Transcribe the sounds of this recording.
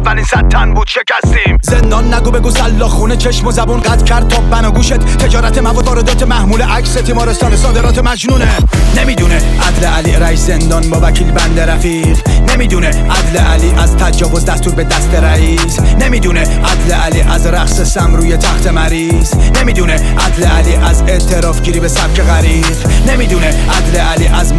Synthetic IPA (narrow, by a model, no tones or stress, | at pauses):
vːæliːnsæt̪ʰːænbuːd̪ʃecæst̪iːmzend̪ɒːnːæɡuːbe̞ɡuːsælːɒːxuːnet͡ʃʰe̞ʃmo̞zæbuːnɢæt̪cʰæɾd̪̚t̪ʰɒːbænɒːɡuːʃet̪t̪ʰe̞d͡ʒɒːɾæt̪ʰemævɒːd̪ɒːɾe̞d̪ɒːt̪ʰemæhmuːleʔækset̪ʰiːmɒːɾest̪ɒːnesɒːd̪e̞ɾɒːt̪emæd͡ʒnuːnenemiːd̪uːneʔæd̪leʔæliɾæiszend̪ɒːnbɒːvæcʰiːlbænd̪eɾæfiːʁnemiːd̪uneʔæd̪leʔæliːʔæzt̪ʰæd͡ʒɒːvo̞zd̪æst̪uːɾbed̪æst̪eɾæiːzne̞miːd̪uneʔæd̪leʔæliːʔæzɾæχsesæmɾuːjet̪ʰæxt̪ʰe̞mæɾiːznemiːd̪uneʔæd̪leʔæliːʔæzeʔt̪ʰe̞ɾɒːfɟiːɾiːbesæb̚cʰe̞ɣæɾi | ʁne̞miːd̪uːneʔæd̪leʔæliːʔæz